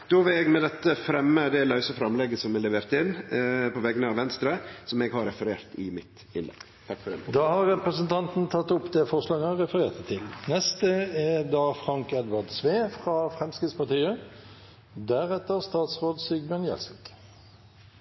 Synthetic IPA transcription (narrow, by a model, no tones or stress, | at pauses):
d̪̥oːʋɪlɛɡmɛd̪ɛt̪ːəfɾɛmːəd̪ɛlɑʉsəfɾɑmlɛɡəsɔmɛlɛʋeːɾt̪ɪnːpɔʋɛɡnəɑʋɛnst̪ɾəsɔmɛɡhɑɾɛfəɾeːɾt̪ɪmɪt̪ | ɪnɛ̰ɡ | t̪ʰɑkːfɔɾɛ̰d̪ɑːhɑɾːɛpɾəsənt̪ʰɑnt̪n̩t̪ʰɑt̪ːʊpːd̪ɛfɔʁslɑːɡəhɑɾɛfəɾeːʁt̪ʰət̪ʰɪlnɛst̪əɛd̪ɑːfʁɑŋkɛd̪ʋɑd̪sʋeːfʁɑfʁɛmskɾɪt̪spɑʁt̪iːə | d̪æɾɛt̪ːəʁst̪ɑːt̪sʁoːd̪syɡmənjɛ̰lsɪk